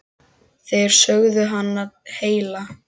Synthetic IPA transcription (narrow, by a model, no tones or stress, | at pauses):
θejɾ̥sœɣðʏɦanːaɾheːjla